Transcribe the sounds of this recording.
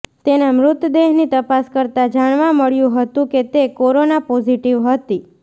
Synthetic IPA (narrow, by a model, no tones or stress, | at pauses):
t̪enamɾʊt̪d̪eɦnit̪əpaskəɾt̪ad͡ʒaɳ̃ʋãməɭjũɦət̪ũket̪ekoɾonapɔziʈiʋɦət̪i